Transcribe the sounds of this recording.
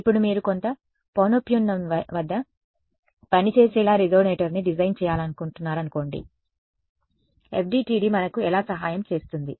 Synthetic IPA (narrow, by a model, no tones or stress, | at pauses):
ipːuɽumiːɾukont̪ɐ | poːnopjuːnːɐmʋɐd̪ːɐ | pɐnit͡ʃe̞ːsɛːlaːɾizo̞ːneːʈɐɾniɖid͡ʒɐjnt͡ʃɛːjaːlɐnukuɳʈunːaːɾɐnuko̞ːɳɖḭ | ep̚ʰɖiːʈiːɖimɐnɐkuɛlaːsɐɦaːjɐmt͡ʃe̞ːst̪und̪i